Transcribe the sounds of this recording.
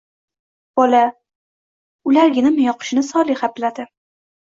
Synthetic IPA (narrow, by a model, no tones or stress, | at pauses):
b̥ɒla | ʊlaɾɡʲɪnɪmɪjɒqʰʊ̥ʃɪnɪsɒlˠiχaplad̪ɪ